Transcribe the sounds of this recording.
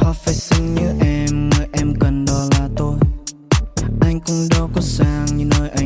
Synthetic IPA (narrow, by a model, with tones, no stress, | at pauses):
hɔ˧˦faː˧˩jsɨ˧ŋɲɨ˨˦ʔɛ˧mŋɨ˨˩jʔɛ˧mkə˨˩nɗɔ˧˩laː˨˩t̪o˧j | ʔa˧jŋ̟kʊ˧ŋ͡mɗɔ˧˦kɔ˨˦saː˧˩ŋɲɨ˧noː˧jʔa˧˩